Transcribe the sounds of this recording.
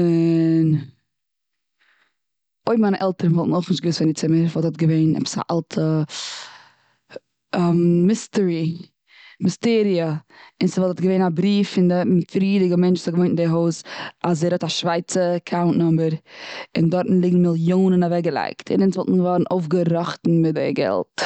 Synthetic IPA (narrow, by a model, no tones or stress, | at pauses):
ɪn | oɪmaɪnəʔɛlˠtəɾən̩vɔlˠtn̩oʊχnɪʃt̚ɡəvɪsfɪndɪt͡sɪməɾvɔlˠthɔtɡəveɪnɛ̰pə̥sa̰ʔa̰lˠtʰə | ammɪstəɹi | mɪsteːɾiəɪnsəvɔlˠtʰɔtɡəveɪnabɾiːfɪndəfɾiːdɪɡəmɛnt͡ʃzɔɡəvoɪnndeɦoʊsazeɪɾhɔtaʃvaɪt͡səkʰaʊntnʊmbəɾɪndɔɾtn̩lˠɪɡŋ̩mɪlˠjoːnənavɛɡəlˠa̰ɪktʰɪ̰nɪnsvɔlˠtn̩vɔɾn̩oʊfɡəɾɔχtn̩mɪtdɛ̰ɡɛ̰lˠt